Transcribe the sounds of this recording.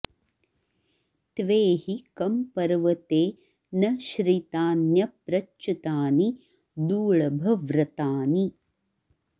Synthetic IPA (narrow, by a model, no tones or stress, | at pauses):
t̪ʋeːhikɐmpɐɾʋɐt̪eː | nɐʃɾiːt̪aːnjɐpɾɐt͡ʃːut̪aːni | d̪uːɭɐbʱɐʋɾɐt̪aːni